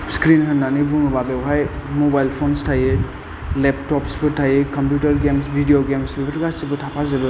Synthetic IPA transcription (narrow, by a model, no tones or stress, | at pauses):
skɾinɦɐnːanibuŋbabewɦajmobajlpʰonstʰaje | lep̚tɔpsbɯtʰajekɐmpjutɐɾɡemsbʱidioɡemsbebɾɡasibɐtʰapʰazebɯ